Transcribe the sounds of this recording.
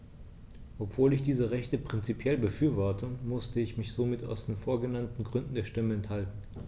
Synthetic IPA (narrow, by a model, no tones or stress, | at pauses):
ʔɔpv̥oːlɪçd̥iːzəʁɛçtəpʁ̥ɪnt͡sipʰjɛlbəfyːɐvɔɐtəmʊstəɪçmɪçz̥oːmɪta̰ʊsd̥eːnfoːɐɡənantn̩ɡʁʏndn̩deːɐʃtɪməɛnthaltn̩